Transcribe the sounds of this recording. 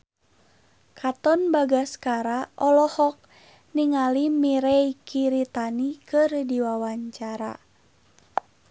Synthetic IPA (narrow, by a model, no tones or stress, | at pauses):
kʰat̪ɔnbaɡaskaɾaʔɔlɔhɔk̚ | niŋalimiɾeikʰiɾit̪anikɨrdiwawaɲt͡ʃaɾa̰